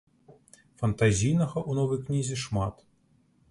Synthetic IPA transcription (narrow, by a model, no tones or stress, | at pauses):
fɐnt̪azʲijnɐɣɐʔunɔvɐjknʲizʲiʂmat̪